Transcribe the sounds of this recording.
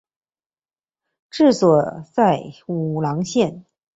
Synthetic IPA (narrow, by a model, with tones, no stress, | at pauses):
ʈ͡ʂɻ̩˥˩swɔ˨˩t͡sa˥˩ɪu˨˩lɑ˧˥ŋɕjɛ˥˩n